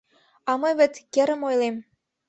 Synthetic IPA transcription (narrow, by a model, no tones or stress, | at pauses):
ɑmɤjβɘ̆t̪kĕɾə̆mojlem